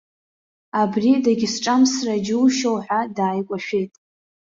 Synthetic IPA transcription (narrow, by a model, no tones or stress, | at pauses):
abridaɡʲɪsʈ͡ʂʼamsrad͡ʒɪwʃowħʷᶣadaːjkʷʼaʃᶣe̞jtʼ